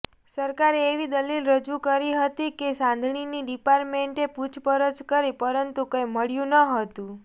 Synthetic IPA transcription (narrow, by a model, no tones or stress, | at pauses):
səɾkaɾeeʋid̪əlilɾəd͡ʒukəɾiɦət̪ikesãnd̪ʱɳiniɖipaɾʈmeɳʈeput͡ʃʰpəɾəd͡ʒkəɾipəɾənt̪ukəjməɽjũnəɦət̪ũ